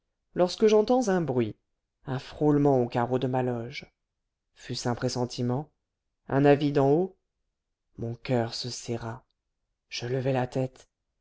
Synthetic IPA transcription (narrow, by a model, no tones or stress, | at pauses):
lɔʁskəʒɑ̃t̪ɑ̃zɛ̃bʁɥi | ɛ̃fχolmɑ̃okaʁod̪əmalɔʒ | fysɛ̃pχesɑ̃t̪ʰimɑ̃ | ɛ̰̃navid̪ɑ̃o | mɔ̃kʲœʁsəsɛʁa | ʒ̥ələvɛlat̪ɛt̪